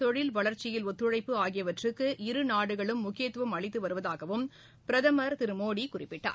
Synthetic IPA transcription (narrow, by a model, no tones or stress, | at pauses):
t̪ɔɻɪlʋɐɭɐɾt͡ʃɪjɪlɔt̪ːɯɻɐɪpːɯaːɣɪjɐʋɐʈrɯkːɯʔɪɾɯnaːɽɯɣɐɭɯmːʊkːɪjet̪ːʋɐmɐɭɪt̪ːɯʋɐɾɯʋɐðaːɣɐʋɯm | pɪɾɐðɐmɐɾt̪ɪɾɯmoːɽikʊrɪpːɪʈːa̰ː